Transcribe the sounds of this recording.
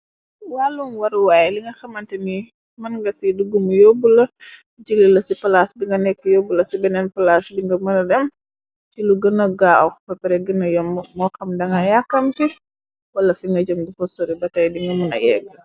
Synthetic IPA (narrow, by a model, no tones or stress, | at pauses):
walunwɐɾuwaːjɛliŋɡɐxɐmɐntɛni | mɐnŋɡɐsiduɡumujɔbulɐ | d͡ʒililɐsipɐlasdiŋɡɐnɛkːəjobulɐsibɛnɛnpalasdiŋɡɐmɐnɐdɛm | tiluɡɐnɔɡaɐwxpɛpɛɾɛɡənɐjɔmmɔkɐmdɐŋɡɐjakːɐmti | wɐlɐfiŋɡɐd͡ʒomdifɔsɔɾibɐtɐjdiŋɡɐmunɐ̰jɛ̰kː